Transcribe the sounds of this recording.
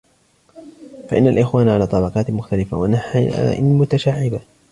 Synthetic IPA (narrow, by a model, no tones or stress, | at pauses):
faʔɪnːalʔɪxwaːnʕalaːt̪ˤɑbɑqɑːt̪mʊxt̪alɪfa̰wanaħʔɪmʊt̪aʃaːʕɪba